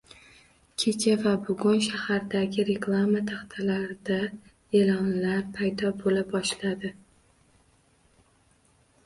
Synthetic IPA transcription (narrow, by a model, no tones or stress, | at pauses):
kʲʰe̞t͡ʃʰavabʊɡʲʊnʃahaɾd̪aɡʲɪɾe̞klˠamat̪ʰaχt̪ʰalaɾɪd̪a | elɒnlaɾpʰajd̪ɒbolabɒʃlad̪ɪ